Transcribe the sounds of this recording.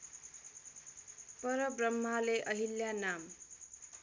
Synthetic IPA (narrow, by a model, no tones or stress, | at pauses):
pʌɾʌbrʌmːaleʔʌɦiljanam